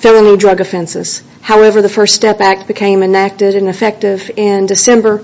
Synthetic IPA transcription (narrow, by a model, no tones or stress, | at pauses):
fɪlˠənidɹʌɡɨfɛ̃nsɪ̰z̥ | haʊɛvə˞ðəfɜ˞ststɛpæk̚t̚b̥ɨkʰẽɪ̃mɨnæk̚tɪɾɨ̃nɨfɛk̚tɪvɪ̃ndɨsɛ̃mbə˞